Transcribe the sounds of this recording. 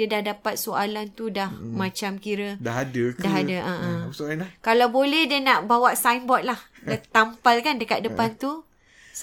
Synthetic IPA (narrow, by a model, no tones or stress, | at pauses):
iədahdapat̪̚soalant̪udahmãt͡ʃamkiɾədaɦadədaɦadaʔaʔakalawbolɛhdiənaʔbawaʔsajnbɔt̪̚lah | dt̪ampalkandəkat̪̚dəpant̪u | s